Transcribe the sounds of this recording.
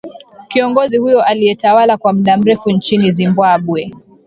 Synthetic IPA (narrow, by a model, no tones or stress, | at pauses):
kiɔŋɡɔzihujɔʔalijɛtawalakwam̩ɗam̩ɾɛfunt͡ʃinizimbaɓwɛ